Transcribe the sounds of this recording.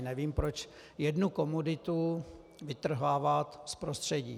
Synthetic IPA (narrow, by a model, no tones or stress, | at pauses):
nɛviːmpɾot͡ʃ | jɛdnukomudɪt̪u | vɪt̪r̩ɦaːvat̪spɾost̪r̝̥ɛɟḭː